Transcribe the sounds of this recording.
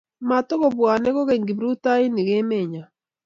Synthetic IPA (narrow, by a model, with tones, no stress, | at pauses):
ma˨to˦ɣo˨bwa˨nɛ˦ɣɔ˦ɣe˨ŋɡi˨bɾu˦ta˦i˦ni˨ɣe˦me˨ɲa˨